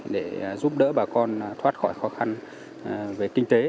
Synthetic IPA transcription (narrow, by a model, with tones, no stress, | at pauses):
ɗe˧˩˨zu˦˥p̚ɗə̰ː˧˥ɓaː˨˩kɔ˧nt̪ʰwaː˦˥t̚xɔ˧˩jxɔ˨˦xa˧n˨ | ve˨˩kï˧ŋ̟t̪e˨˦